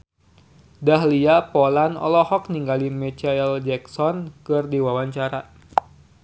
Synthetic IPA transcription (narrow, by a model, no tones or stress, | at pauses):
dahliapɔlanɔ̰lɔhɔkniŋɡalimɛt͡ʃaɛld͡ʒɛksɔnkɨrdiwawaɲt͡ʃaɾa